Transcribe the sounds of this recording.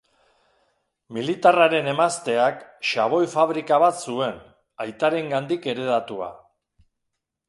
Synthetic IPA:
milit̪araɾe̞ne̞mast̪e̞akʃaβ̞o̞jfaβɾikaβat̪sue̞n | ajt̪aɾe̞ŋɡand̪ike̞ɾe̞ðat̪ua̰

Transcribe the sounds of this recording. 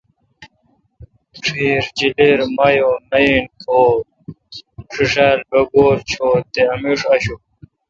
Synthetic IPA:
ʈ͡ʂʰiːɾd͡ʑileɾmɐjonɐjinkʰoː | ʂiʂaːlbɐɡoːɾt͡ɕʰoːt̪eɐmiʂɐɕu

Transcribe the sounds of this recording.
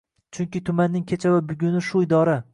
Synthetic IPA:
t͡ʃʰʊŋkʲɪt̪ʰʊmanːɪŋkʲʰet͡ʃʰavabʊɡʲʊnɪʃʊɪd̪ɒɾa

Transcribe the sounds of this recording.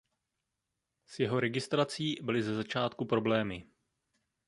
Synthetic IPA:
sjɛɦo̞ɾɛɡɪst̪ɾat͡siːbɪlɪzɛzat͡ʃaːt̪kupɾo̞blɛːmɪ

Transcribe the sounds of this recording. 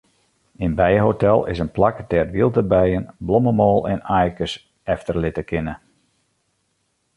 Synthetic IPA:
ɪnbɛjəɦotɛlˠɪ̰sənplaktɛːtʋilˠtəbɛjənblɔməmɔːlˠɛ̰najkəs | ɛftərlɪtəkɪnə

